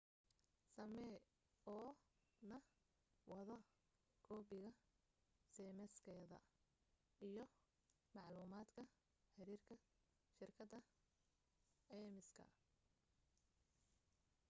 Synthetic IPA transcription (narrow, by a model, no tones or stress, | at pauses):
sɐmɛ | ɔː | nɐ | wɐðɐ | ɡ̥ɔːbɪɣɐ | sɛːmɛskʰɛːðɐ̰ | ijɞ | mɑʕluːmaːd̪kʰɐ | ħɪɾiːrkʰɐ | ʃɪrkʰɐd̪ɐ | ɛːmɪskʰɐ̰